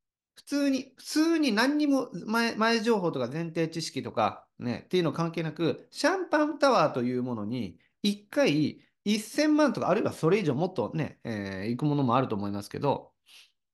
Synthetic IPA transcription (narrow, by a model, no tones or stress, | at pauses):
ɸɯ̟̥t͡sɨːɲ̟iɸɯ̟̥t͡sɨːɲ̟inãɲ̟ːimo̞mamaeʑo̞ːɦo̞ːt̪o̞kazẽ̞nt̪e̞ːt͡ɕiɕi̥kʲit̪o̞ka̰ | ne̞̰t̪ːe̞iɯnoakãŋke̞ːnakɯ̟ɕãmpãnt̪aβaːt̪o̞jɯ̟ːmo̞no̞ɲ̟i | ikːai | isːẽ̞mːãnt̪o̞kaːɾɯ̟iβaso̞ɾe̞iʑo̞ːmo̞t̪ːo̞ne̞̰eikɯ̟mo̞no̞mo̞aɾɯ̟t̪o̞ːmo̞imasɨ̥ke̞̰d̪o̞̰